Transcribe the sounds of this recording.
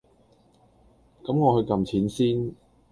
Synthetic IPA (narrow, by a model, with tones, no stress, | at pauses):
kɐ˨˥mŋɔː˨˧hɵ˧ɥkɐ˨mt͡sʰiː˨˥nsiː˥n